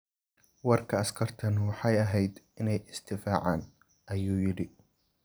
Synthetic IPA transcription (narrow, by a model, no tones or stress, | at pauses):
wɑrkʰɐɐskʰɐrt̪ʰɐnwɑħɑjɐɦɛjd̪ɪnɛjɪst̪ʰɪfaːʕaːn | ʔɐjuːjɪɽɪ